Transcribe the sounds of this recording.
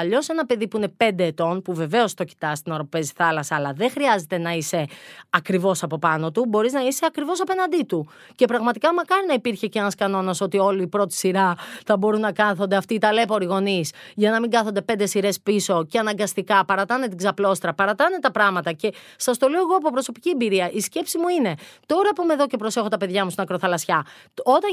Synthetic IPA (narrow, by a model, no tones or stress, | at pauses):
ɐʎo̞se̞nɐpe̞ðipuine̞pe̞nd̪e̞ːt̪o̞npuve̞ve̞o̞st̪o̞ci̥t̪ɐst̪inoɾope̞zi̥θɐlɐsɐːlɐðexɾiɐze̞t̪e̞nɐise̞ɐkɾivo̞sɐpo̞pɐno̞t̪ubo̞ɾiznɐiseɐkɾivo̞sɐpe̞nɐnd̪it̪u | ce̞pɾɐɣmɐt̪ikɐmɐkɐɾinɐipiɾçe̞ceenɐskɐno̞nɐso̞t̪io̞liːpɾo̞t̪i̥siɾɐθɐbo̞ɾunːɐkɐθond̪e̞ɐft̪iːt̪ɐle̞po̞ɾiɣo̞nisʝɐnɐmiŋɡɐθo̞nd̪e̞pe̞nd̪e̞siɾe̞spiso̞ceɐnɐŋɡɐst̪ikɐpɐɾɐt̪ɐne̞t̪̬iɡzɐplo̞st̪ɾɐpɐɾɐt̪ɐne̞t̪ɐpɾɐmɐt̪ɐce̞ | sɐst̪o̞leoɣo̞ɐpopɾo̞so̞pi̥ciembiɾiɐʔisce̞psimuine̞t̪o̞ɾɐpumeðoce̞pɾo̞se̞xo̞t̪ɐpe̞ðʝɐmust̪inɐkɾo̞θɐlɐsçɐo̞t̪ɐ